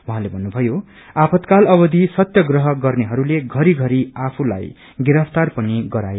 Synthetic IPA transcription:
wʌɦãlebʱʌnːubʱʌjo | apʰʌt̪kalʌbʌd̪isʌt̪jʌɡrʌɦʌɡʌrneɦʌɾuleɡʱʌɾiɡʱʌɾiapʰula̰j | ɡiɾʌpʰt̪arpʌniɡʌɾaj

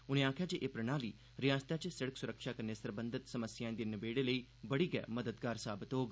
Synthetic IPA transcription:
ʊñẽːaːkʰjad͡ʒeːʔeːpɾəɽ̃aːliː | ɾɪjãːst̪at͡ʃsəɽəksʊɾəkʃaːkɐɾnesɐɾbə̃nd̪ɪt̪sɐməsjãːẽd̪eːnɪbeːɽeləiːbɐɽiːɡɛ̰məd̪əd̪ɡaːɾsaːbɪt̪ɦoːɡ

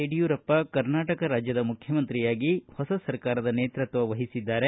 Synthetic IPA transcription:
eɖijuːɾɐpːɐkɐɾnaːʈɐkɐɾaːd͡ʒjɐd̪ɐmukʰjɐmɐnt̪ɾijaːɡihɔsɐsɐɾkaːɾɐd̪ɐneːt̪ɾɐt̪ʋɐʋɐɦisid̪ːaːɾe

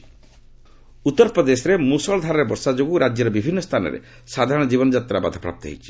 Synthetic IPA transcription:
ut̪ːɔɾpɾɔd̪esɔɾemusɔɭɔd̪ʱaɾɔɾebɔɾsad͡ʒoɡuɾad͡ʒjɔɾɔbibʱinːɔst̪ʰanɔ̰ɾḛ | sad̪ʱaɾɔ̃ɽ̃ɔd͡ʒibɔnɔd͡ʒat̪ɾabad̪ʱɔpɾa̰p̚t̪ɔɦḛjt͡ʃʰi̥

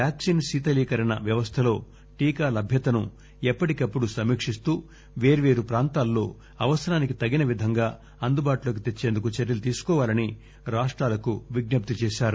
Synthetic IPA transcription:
aːksinsiːt̪ɐliːkɐɾɐnɐ̰ʋjɐʋɐst̪ʰɐlo̞ː | ʈiːkaːlɐbʱjɐt̪ɐnu | ɛpːɐʈikɐpːuɽusɐmiːkʂist̪uː | ʋe̞ːɾuʋe̞ːɾupɾaːnt̪aːlːo̞ː | ɐʋɐsɐɾaːnikit̪ɐɡinɐʋid̪ʱɐŋɡaː | ɐnd̪ubaːʈulo̞ːk̬it̪et͡ʃːeːnd̪ukut͡ʃɛɾɐlut̪iːsu̥kɔːʋaːlɐni | ɾaːʂʈɾaːlɐkuʋiɡ̚nɐp̚t̪it͡ʃɛːʃaːɾu

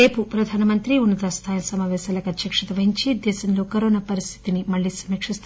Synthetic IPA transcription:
eːpupɾɐd̪ʱaːnɐmɐnt̪ɾiunːɐt̪ɐst̪ʰaːjɐsɐmaːʋɛːsaːlɐkɐt̪jɐkʂɐt̪ɐʋɐɦiɲt͡ʃid̪ɛːsɐnlo̞ːkɐɾoːnapɐɾist̪ʰi̥t̪inimɐɭːisɐmikʂist̪

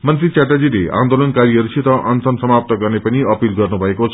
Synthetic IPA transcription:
mʌnt̪rit͡saʈad͡zilea̰nd̪olʌnkaɾiɦʌɾut͡sʰit̪ʌʔʌnsʌnsʌmap̚t̪ʌɡʌrnepʌniʌpilɡʌrnubʱʌekot͡sʰ

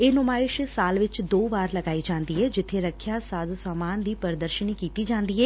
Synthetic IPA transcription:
eːnʊmaːɪʃsaːlʋɪt͡ʃd̪oːʋaːɾləɡaːiːd͡ʒãːnd̪iːɦɛːd͡ʒɪt̪ʰːeːɾəkʰjaːsaːzsaːmaːnd̪iːpəɾd̪əɾʃənikiːt̪iːd͡ʒãːnd̪iːɦɛː

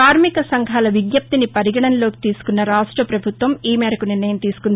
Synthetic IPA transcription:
aːɾmikɐsɐŋɡʱaːlɐʋiɡjɐp̚t̪inipɐɾiɡɐɽɐnloːki̥t̪iːsu̥kunːɐɾaːʂʈɾɐpɾɐbʱut̪ʋɐmiːmɛːɾɐkuniɾnɐjɐmt̪iːsu̥kun

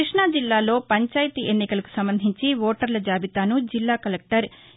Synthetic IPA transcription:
iʂɳad͡ʒilːaːlo̞ːpɐɲt͡ʃaːjɐt̪iʔenːikɐlɐku̥sɐmbɐnd̪ʱiɲt͡ʃiʋoːʈɐɾlɐd͡ʒaːbit̪aːnud͡ʒilːaːkɐlek̚ʈɐɾ

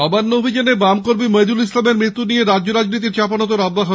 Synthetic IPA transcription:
ɔbanːoobʱid͡ʑanebamkoɾbimejd̪ulislameɾmɾit̪ːunieɾadd͡ʑoɾad͡ʑnit̪̬iɾt͡ɕapanot̪̬oɾɔb̪ːaɦo

